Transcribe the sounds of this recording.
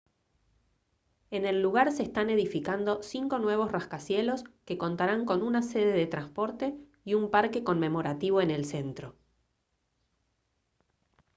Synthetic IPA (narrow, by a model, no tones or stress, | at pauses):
e̞ne̞lːuɣ̞aɾse̞ːst̪ane̞ðifikand̪o̞siŋko̞nwe̞β̞o̞sraskasje̞lo̞ske̞ko̞nt̪aɾaŋko̞nunase̞ð̞e̞ðe̞t̪ɾanspo̞ɾt̪e̞ | iumpaɾke̞ko̞mme̞mo̞ɾat̪iβo̞ene̞lse̞nt̪ɾo̞